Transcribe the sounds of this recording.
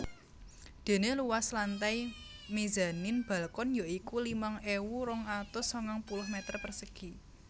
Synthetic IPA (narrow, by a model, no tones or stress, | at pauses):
d̪̥e̤neluwaslant̪ajmiza̤nɪnb̥ä̤lkʊnjoikulimaŋewuɾʊŋat̪ʊsɔŋaŋpulʊhmet̪ərpərsəɡ̥i̤